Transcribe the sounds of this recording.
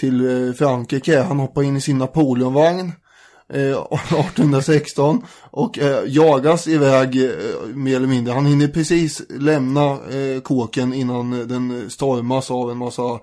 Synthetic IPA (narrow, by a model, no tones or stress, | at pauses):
t̪ʰɪlfɾaŋkɾiːkəɦanhɔpːaɾɪnːɪsɪnːapʰuːlɪɵmvaŋn | ɑːʈɔnhɵnd̪ɾasɛkst̪ɔnʔɔkjɑːɡasɪvɛːɡmeːɾɛlːəmɪnd̪ɾəhanhɪnːəpʰɾɛsiːslɛmnakʰoːkənɪnːand̪ɛnst̪ɔɾmasavɛnmasːa